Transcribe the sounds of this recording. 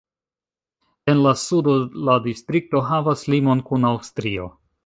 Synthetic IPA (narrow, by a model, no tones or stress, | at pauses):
e̞nlasudoladistɾik̚to̞ɦavaslimo̞nkunawstɾio̞̰